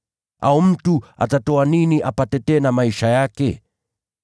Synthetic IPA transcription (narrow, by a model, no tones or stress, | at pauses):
ʔaum̩tua̰tatɔaniniʔapatɛtɛnamaiʃajakɛ̰